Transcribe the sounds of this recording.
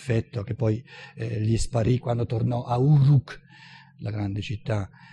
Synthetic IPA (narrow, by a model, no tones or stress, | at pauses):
fɛt̪ːok̟epːɔjlispaɾʔikːwand̪ot̪ornɔʔauɾuk | laɡɾand̪et͡ʃit̪ːa